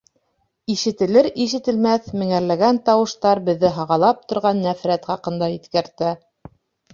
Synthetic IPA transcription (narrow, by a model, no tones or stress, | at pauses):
iʃɘ̆t̪ɘ̆lɘɾiʃ̬ɘ̆t̪ɘ̆lmæθmɘ̆ŋæɾlæɡænt̪ɑwɤ̆ʃt̪ɑɾbɘ̆ðːɘɦɑʁɑlˠɑp̚t̪ŏɾʁɑnːæfɾæt̪χɑqɤ̆nd̪ɑiθkæɾt̪æ